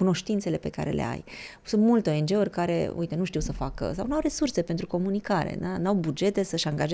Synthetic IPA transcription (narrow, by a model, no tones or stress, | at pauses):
kuno̞ʃt̪intse̞le̞pe̞ka̰ɾe̞̰lʔḛa̰j | sunt̪mult̪eo̞e̞nd͡ʒe̞urʲkaɾe̞̰ṵjt̪enuʃt̪iwsəfakə̰sawnawɾe̞surse̞pent̪ɾuko̞munikaɾḛnanawbud͡ʒe̞t̪e̞səʃaŋɡaʒe